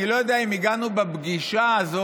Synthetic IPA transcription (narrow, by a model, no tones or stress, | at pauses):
ilo̞jod̪eaaimiɡanubebɡiʃaːzo